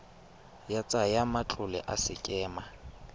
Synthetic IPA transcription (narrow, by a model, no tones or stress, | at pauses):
jat͡sʼajamat͡ɬʼʊlɛ̰ʔasɪkʼɛːma